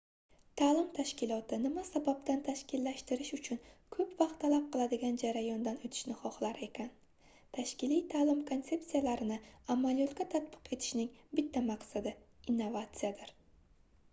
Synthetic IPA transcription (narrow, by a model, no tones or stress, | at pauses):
t̪ʰaːlɪmt̪ʰaʃkʲɪlˠɒt̪ʰɪnɪmasabapt̪ʰant̪ʰaʃkʲɪlːaʃt̪ɪɾɪʃʊt͡ʃʰʊnkʰɵpvɑq̚t̪ʰːalap̚qɨlˠad̪ɪɡʲand͡ʒaɾajɒnd̪anot̪ʰɪ̥ʃnɪχɒχlˠaɾe̞kʲʰan | t̪ʰaʃkʲɪlijt̪ʰaːlɪmkʰo̞nt̪se̞ptsijalaɾɪnɪamːalijɒt̪kʲat̪ʰat̪̚bɨ̥qe̞t̪ʰɪ̥ʃnɪŋbɪt̪ʰːamaqsad̪ɪ | inːovat̪sɨjad̪ɪɾ